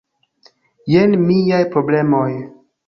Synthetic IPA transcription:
jenmijajpɾo̞ble̞mo̞j

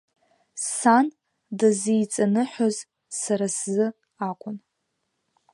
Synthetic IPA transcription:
san | dazejt͡sʼanɨħoz | saɾaszɨ | akʷʰʼʊn

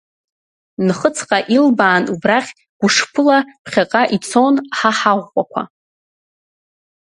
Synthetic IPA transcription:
nχət͡sʰqʼaʔilbaːnubraχʲ | ɡ̥ʷʊʂpʰɨlapʰχʲaqʼaʔit͡sʰonħaħaʁːʷʼakʷʰa̰

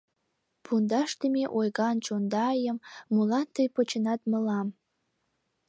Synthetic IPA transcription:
pʰund̪ɑʃt̪əmeʔojɣɑnt͡ɕond̪ɑjəmːulɑnt̪əjpot͡ɕə̆nɑt̪mə̆lɑm

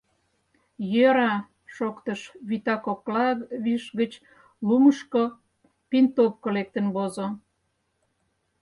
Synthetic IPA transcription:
jøɾɑ | ʃokt̪əʃβit̪ɑkoklɑβiʃɣət͡ɕ | luməʃko | pint̪opkolek̚t̪ə̆nβozo

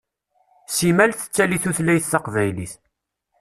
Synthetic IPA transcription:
simælθə̥t͡sːæliθuθlæjθːɑqvæjlḭθ

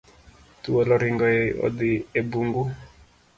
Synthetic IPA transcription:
t̪uwɔlɔɾiŋɡɔeɔ̰d̪iebuŋɡu

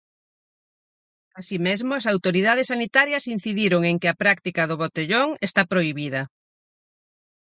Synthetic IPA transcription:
asimezmʊɐsawt̪oɾið̞að̞esːanit̪aɾjɐsin̟θiðiɾoŋeŋkɪɐpɾak̚t̪ikɐð̞ʊβot̪eʎoŋest̪apɾoiβið̞ɐ

